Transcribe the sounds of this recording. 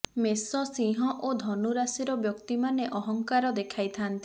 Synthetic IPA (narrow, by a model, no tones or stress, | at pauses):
mesɔsĩɦɔʔod̪ʱɔnuɾasiɾɔbjɔkt̪imaneʔɔɦɔŋkaɾɔd̪ekʰajt̪ʰant̪i̥